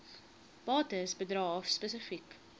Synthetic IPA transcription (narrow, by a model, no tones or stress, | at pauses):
b̥ɑːtəsbədrɑːfspəsəfik